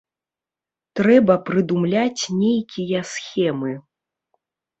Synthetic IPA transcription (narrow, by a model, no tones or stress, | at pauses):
t̪ɾɛbɐpɾɨd̪umlʲat͡sʲnʲejkʲijɐsxʲɛmɨ